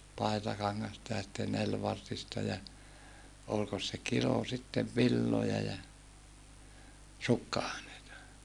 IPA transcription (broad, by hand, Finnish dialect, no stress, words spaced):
pɑi̯tɑkɑŋːɑstɑ jɑ sitːen nelʋɑrtistɑ jɑ olkos se kilo sitːeʋ ʋilːojɑ jɑ sukːɑɑˑeneitɑ